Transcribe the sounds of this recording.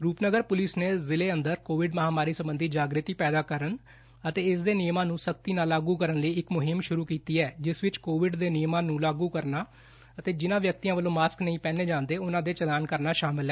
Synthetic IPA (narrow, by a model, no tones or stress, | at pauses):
ɾuːpnəɡəɾpʊlɪsneːzɪleːənd̪əɾkoːʋɪɖməɦaːmaːɾiːsəmbənd̪ʱiːd͡ʒaːɡɾət̪iːpɛːd̪aːkəɾən | ət̪eːɪsd̪eːnɪjmãːnũːsək̚t̪iːnaːlːaːɡuːkəɾənləiːɪkmʊɦɪmʃʊɾuːkiːt̪iːɛːd͡ʒɪsʋɪt͡ʃkoːʋɪɖd̪eːnɪjmãːnũːlaːɡuːkəɾnaː | ət̪eːd͡ʒɪnãːʋjək̚t̪iːãːʋəlːõːmaːsknəĩːpɛ̃ːneːd͡ʒãːnd̪eːʊnãːd̪eːt͡ʃəlaːnkəɾnaːʃaːmɪlɛː